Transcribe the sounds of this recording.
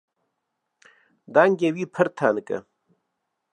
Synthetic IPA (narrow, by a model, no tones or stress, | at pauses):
d̪aːŋɡewiːpʰɐɾt̪ʰaːnɨkɐ̰